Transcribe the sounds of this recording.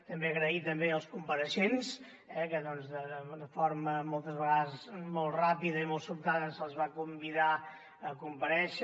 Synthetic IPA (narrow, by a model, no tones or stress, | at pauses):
t̪əmbeəɣɾəit̪əmbeəlˠskumpəɾəʃens | ɛkəðɔnzðəəd̪əfoɾməmɔlˠt̪əzβəɣaðəzzmɔlˠt̪rapiðəimɔlˠt̪supt̪aðəsəlˠzβakumbiða | əkumpəɾɛʃ